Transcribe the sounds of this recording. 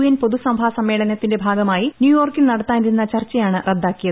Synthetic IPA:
jɐnpo̞ðusɐmbʱaːsɐmːeːɭɐnɐt̪ːinde̞bʱaːɡɐmaːjinjuːjo̞ːrkilnɐɽɐt̪ːaːniɾunːɐt͡ɕɐrt͡ɕːɐjaːɳɨred̪ːaːkːijɐðɨ

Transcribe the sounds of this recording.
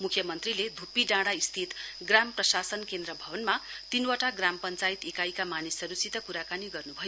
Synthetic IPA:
mukʰjʌmʌnt̪riled̪ʱupiɖãɽaist̪ʰit̪ | ɡramprʌsasʌnkend̪rʌbʱʌbʌnmat̪inwaʈaɡrampʌnt͡sait̪ekajkamanisʌɾusit̪ʌkuɾakaniɡʌrnubʱʌjo

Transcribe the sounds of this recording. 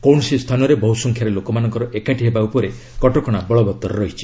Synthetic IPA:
kowɳɔsist̪ʰanɔɾebɔɦusɔŋkʰjaɾelokɔmanɔŋkɔɾɔʔekaʈiɦebaupɔɾe | kɔʈɔkɔɽ̃abɔɭɔbɔt̪ːɔɾɔɾɔɦit͡ʃʰi̥

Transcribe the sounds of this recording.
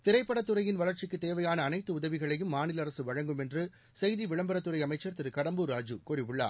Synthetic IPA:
t̪ɪɾɐɪpːɐɽɐt̪ːɯrɐjɪnʋɐlɐɾt͡ʃɪkːɯt̪ːeːʋɐjaːnɐːnɐɪt̪ːɯʊðɐʋɪɣɐɭɐjɯmːaːnɪlɐɾɐsɯʋɐɻɐŋɡɯmɛndrɯ | sɛjðiʋɪɭɐmbɐɾɐt̪ːɯrɐɪɐmɐɪt͡ʃːɐɾt̪ɪɾɯkɐɽɐmbɯɾaːd͡ʒɯkʊɾɪʋɯɭːa̰ː

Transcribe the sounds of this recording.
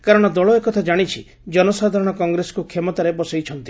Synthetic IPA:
kaɾɔɽ̃ɔd̪ɔɭɔekɔt̪ʰad͡ʒaɽ̃it͡ʃʰi | d͡ʒɔnɔsad̪ʱaɾɔɽ̃ɔkɔŋɡɾesɔ̥kukʰemɔt̪aɾepɔsejt͡ʃʰɔnt̪i

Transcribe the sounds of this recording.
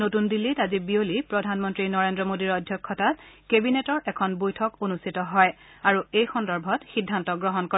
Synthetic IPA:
notundilːitazibiolipɹɔdʱanmɔntɹinɔɹendɹɔmodiɹɔdʱjɔkʰːɔtat | kebinetɔɹʔɛkʰɔnbojtʰɔkonustitɔɦɔj | aɹuejxɔndɔɹbʱɔtxidʱːantɔɡɹɔɦɔnko

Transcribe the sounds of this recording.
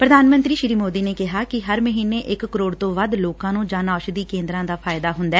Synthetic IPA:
pɾəd̪ʱaːnmə̃nt̪ɾiːʃɪɾiːmoːd̪iːneːkɪɦaːkɪɦəɾməɦiːneːʔɪkːəɾoːɽt̪õːʋəd̪loːkãːnũːd͡ʒaːnaːʃd̪iːkẽːnd̪ɾãːd̪aːpʰaːɪd̪aːɦʊnd̪aɛː

